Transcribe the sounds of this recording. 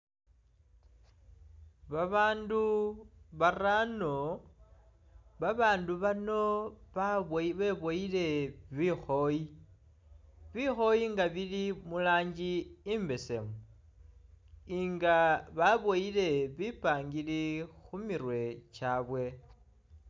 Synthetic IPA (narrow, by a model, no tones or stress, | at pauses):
βaβaːnduβarano | βaβaːnduβano̞βaββe̞βo̞ile̞βixo̞ji | βixo̞jiŋɡaβilimulaːɲd͡ʒiːmbe̞se̞mu | iŋɡaβaβoile̞βipaːŋɡilixumirwe̞t͡ʃaːβwe̞